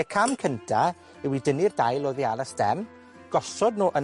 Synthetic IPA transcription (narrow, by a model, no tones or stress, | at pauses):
ɛkʰamkʰəntʰa | ɛwidənirdajlˠoðianasd̥ɛ̰m | ɡ̥ɔsɔdnoːʔən